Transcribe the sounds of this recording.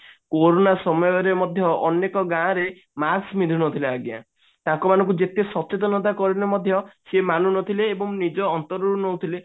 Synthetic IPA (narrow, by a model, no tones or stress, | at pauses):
koɾonasɔmɔjɔɾemɔd̪ʱjɔɔnekɔɡãɾe | masmid̪ʱunɔt̪ʰileaɡja̰ | t̪ãŋkɔmanɔ̃ŋk̬ud͡ʒet̪esɔt͡ʃet̪̬ɔnɔt̪̬akɔɾinemɔd̪ʱjɔsemanunɔt̪ʰileːbɔŋnid͡ʒɔːnt̪ɔɾɔɾunɔwt̪ʰile